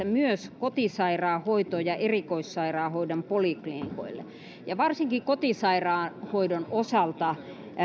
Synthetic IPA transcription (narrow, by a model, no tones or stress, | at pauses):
æmyøskot̪isɑirɑːhoit̪ojɑʔerikoissɑirɑːhoidompolikliniko̰ilːḛ | jɑʋɑrsiŋkikot̪isɑirɑːhoidonosɑlt̪ɑ